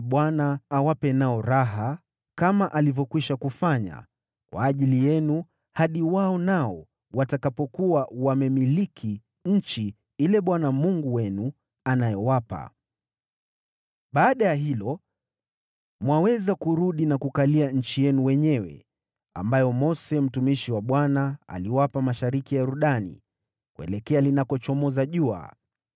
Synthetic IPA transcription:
ɓwanaːwapɛnaɔɾaɦa | kamaʔalivɔkwiʃakufaɲa̰ | kwa̰ːʄilijɛnu | haɗiwaɔnaɔ | watakapɔkuwawamɛmilikʰi | ɲ̩t͡ʃi | ilɛɓwanamuŋɡuwɛnu | anajɛwapa̰ | ɓaːɗajaɦilɔ | mwawɛzakuɾuɗinakukaliaɲ̩t͡ʃijɛnuwɛɲɛwɛ̰ | a̰mbajɔmɔsɛm̩tumiʃiwaɓwanaa̰liwapamaʃaɾikijaɾuɗanḭ | kuɛ̰lɛkɛalinakɔt͡ʃɔmɔzaʄua̰

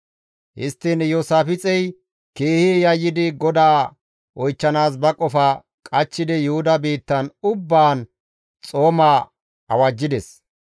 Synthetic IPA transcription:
hɪst̪ːɪnjoːsaːfɪt͡sʼɛj | ke̞ːhejɐjːɪd̪ɪɡɔd̪aː | ʔɔjt͡ʃːɐnaːsbɐkʼɔfɐ | kʼɐt͡ʃːɪd̪ɛjʊhʊd̪ɐbe̞ːt̪ːɐnʊbːaːn | t͡sʼo̞ːmaː | ɐ̰wɐd͡ʒːɪd̪ɛs

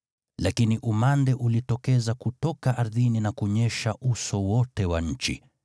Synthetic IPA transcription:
lakiniʔumandɛʔulitɔkɛzakutɔkaʔaɾðininakuɲɛʃaʔusɔwɔtɛwaɲ̩t͡ʃḭ

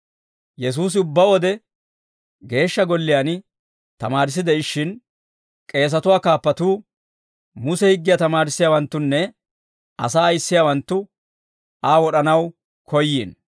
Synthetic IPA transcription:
jɛs̬uːs̬ɪʊbːɐwɔd̪ɛ | ɡe̞ːʃːɐɡɔlːɪjan | t̪ɐmaːɾɪs̬ːɪd̪ɛɪʃːɪn | kʼe̞ːs̬ɐt̪ʊwaːkaːpːɐt̪uː | mʊsɛhɪɡːɪjat̪ɐmaːɾɪsːɪjaːwɐnt̪ːʊnːɛ | ʔɐ̰saːɐjɪsːɪjaːwɐnt̪ːʊ | aːwɔɗɐnɐw | kʰɔjːiːn

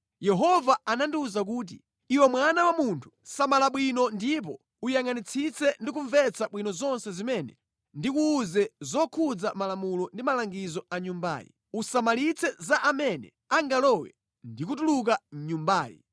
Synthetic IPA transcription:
jɛɦɔvaanandiuzak̬uːt̬ḭ | iwɛmwanawamuntʰu̥samalaɓwinɔndip̬ɔ | ujaŋanit͡sʰit͡sʰɛndik̬uɱvɛt͡sʰaɓwinɔzɔnsɛzimɛnɛ̰ | ndikuːzɛzɔkʰud͡zamalamulɔndimalaŋɡizɔaɲumba̰ːjḭ | usamalit͡sʰɛzaʔamɛnɛ̰ | aŋɡalɔwɛ̰ | ndik̬ut̬uluk̬aɲumbaːjḭ

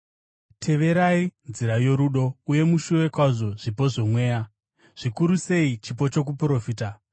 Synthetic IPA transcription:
tʰe̞ʋe̞ɾainziɾajo̞ɾuɗo̞uje̞muʃuʋe̞kwaʐo̞ʐ̥ipo̞ʐo̞mwe̞ːja | ʐ̥ikuɾuse̞it͡ʃip̬o̞t͡ʃo̞k̬upro̞fiːta

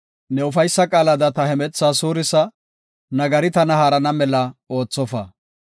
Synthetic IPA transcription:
nɛʊfɐjsːɐkʼaːlɐd̪ɐt̪ɐhɛmɛt͡sːasuːɾɪsɐ | nɐɡɐɾɪt̪ɐnɐhaːɾɐnɐmɛlɐo̞ːt͡sːɔfɐ

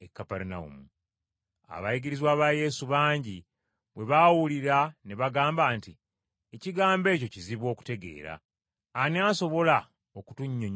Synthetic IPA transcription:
ekːapaɾunaṵmu | a̰βajiɡiɾizwaːβaːje̞ːsuβaːɲɟi | βwe̞βawuliɾane̞βaɡaːmbaːnti | eciɡaːmbe̞ːco̞ciziβwo̞ːku̥te̞ɡe̞̰ːɾa̰ | aniaːso̞βo̞la | oku̥tuɲːoɲ

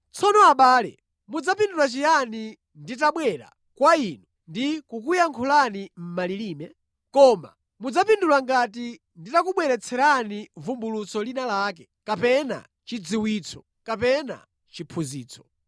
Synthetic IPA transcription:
t͡sʰɔnɔaɓaːlɛ̰ | mud͡zapindulat͡ʃijani | nditaɓwɛɾa̰ | kwainu | ndikukujaŋkʰulanim̩maliliːmɛ | kɔma̰ | mud͡zapindulaŋɡati | nditakuɓwɛɾɛt͡sʰɛɾanivumbulut͡sɔlinalaːk̬ɛ | kapɛna̰ | t͡ʃid͡ziwiːt͡sʰɔ | kapɛna̰ | t͡ʃipʰuzḭːt͡sʰɔ̥

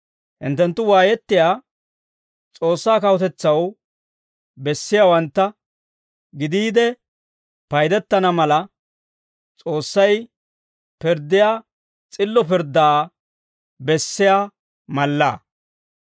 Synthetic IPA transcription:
hɪ̰nt̪ːɛnt̪ːʊwaːjɛt̪ːɪjaː | t͡sʼo̞ːsːaːkɐwɔt̪ɛt͡sːɐw | bɛsːɪjaːwɐnt̪ːɐ | ɡɪd̪iːd̪ɛ | pɐjd̪ɛt̪ːɐnɐmɐlɐ | t͡sʼo̞ːsːɐj | pɪɾd̪ːɪjaː | t͡sʼɪlːɔpɪɾd̪aː | bɛsːɪjaː | mɐlːa̰ː

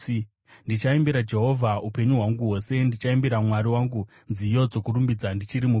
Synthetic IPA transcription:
ndit͡ʃaembiɾad͡ʒe̞ɦo̞vʱaupe̞ɲuɦwaŋɡuwo̞se̞ndit͡ʃaembiɾamwaɾiwaːŋɡu | nzijo̞d͡zo̞kuɾumbid͡zandit͡ʃiɾimu

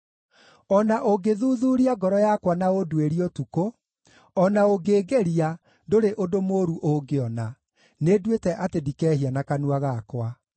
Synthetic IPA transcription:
ɔnaʔoɡeðuðuːɾiaɡɔɾɔjakwanaodueɾiotuko | ɔnaoɡeːɡeɾia | doɾeʔodomoːɾuʔoɡeɔna | nedwetɛʔatedikɛːhianakanuaɣakwa

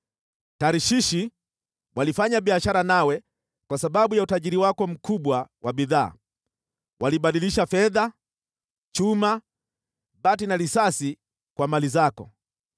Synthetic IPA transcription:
taɾiʃiʃi | walifaɲaɓiaʃaɾanawɛ | kwasaɓaɓujautaʄiɾiwakɔm̩kuɓwawʔaɓiða̰ː | wʔaliɓaɗiliʃafɛða | t͡ʃuma | ɓatinalisasi | kwamalizakɔ̰

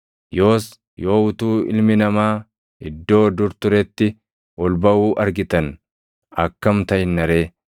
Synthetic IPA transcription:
jo̞ːs | jo̞ːʊt̪uːɪ̰lmɪnɐmaː | ɪd̪ːo̞ːd̪ʊɾt̪ʊɾɛt̪ːɪ | ɔlbɐuːʔɐɾɡɪt̪ɐn | ɐkːɐmt̪ɐjɪnːɐɾeː

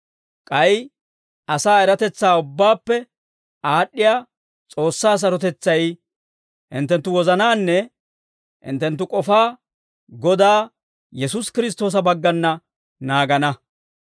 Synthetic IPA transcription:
kʼɐj | ʔɐsaːɛɾɐt̪ɛt͡sːaːʊbːaːpːɛ | aːɗːɪjaː | t͡sʼo̞ːsːaːs̬ɐɾɔt̪ɛt͡sːɐj | hɪ̰nt̪ːɛnt̪ːʊwɔzɐnaːnːɛ | hɪ̰nt̪ːɛnt̪ːʊkʼɔfaː | ɡɔd̪aː | jɛsʊskɪɾɪs̬t̪o̞ːs̬ɐbɐɡːɐnːɐ | naːɡɐnɐ

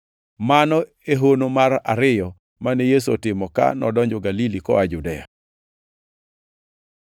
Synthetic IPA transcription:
manɔ | eɦonomaɾa̰ɾɪjɔ | manejes̬otɪmɔka̰nɔdɔɲd͡ʒɔɡalilikɔ̰ad͡ʒudɛa̰

